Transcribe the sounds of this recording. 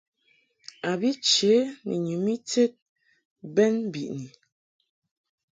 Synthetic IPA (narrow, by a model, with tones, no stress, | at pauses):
a˨bi˦t͡ʃe˨˦nɛ̰˨ɲu˨mi˦te˦t̚ | bɛ˦n˦bi˨ʔni˨